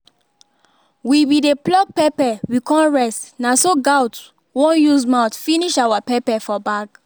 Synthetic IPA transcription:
wiwideplɔɡ̚pɛpɛwikɔ̃nɹɛstnasoɡawt | wõnjuzmãtfiniʃawapɛpɛfɔbaɡ

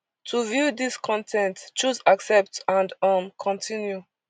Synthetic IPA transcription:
tʰuvjud̪iskʰɔ̃ntʰɛ̃ntt͡ʃuzaksɛp̚tãndə̃mkʰɔ̃ntʰĩnju

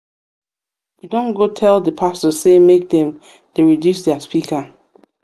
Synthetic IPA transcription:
jidɔ̃nɡotʰɛlˠdəpʰastəsemek̚dɛ̃m | d̥eɹidjusdɛaspikʰa

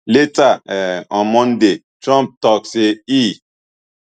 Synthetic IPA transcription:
letaɛɔ̃mɔ̃nde | tɾɔ̃mp̚tɔksei

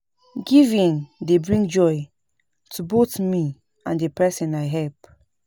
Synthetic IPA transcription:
ɡivĩndebɹĩŋɡd͡ʒɔj | tʰubotmi | ãndepɛsĩnaɪɦɛlp

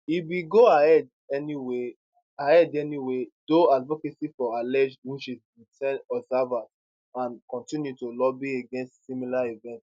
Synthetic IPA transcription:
ibiɡoahɛd̚ | ɛniwe | ahɛdɛniwedoadvɔkesifɔalɛd͡ʒwɛ̃nʃizbĩsɛ̃nɔbzavãt | ãnkɔ̃ntĩnjutolɔbieɡɛ̃nstsĩmilaivɛ̃nt

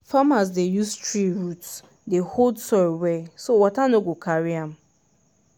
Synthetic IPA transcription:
famas̬dejustʰɹiɹut | dehodsɔwɛsowɔtʰãnõɡokʰaɾiãm

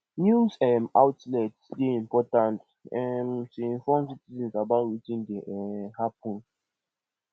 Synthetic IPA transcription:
njuzɛmawtlɛtsdiĩmpɔtãnt | ɛmʃiĩnfɔmsitizɛ̃nsabaʊtwitĩndeʔɛhap̚ʰɔ̃n

